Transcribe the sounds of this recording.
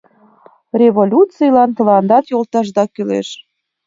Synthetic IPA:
rʲeβolʲut̪t͡sijlɑnt̪əlɑnd̪ɑt̪jolˠt̪ɑʒd̪ɑkylḛʃ

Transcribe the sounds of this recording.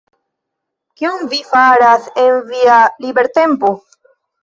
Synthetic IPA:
kionvifaɾasenvialibe̞ɾt̪e̞mpo

